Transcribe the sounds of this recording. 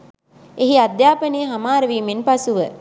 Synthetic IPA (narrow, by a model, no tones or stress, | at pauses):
eɦiad̪jaːpənejɦamaːɾəʋiːmenpasuʋə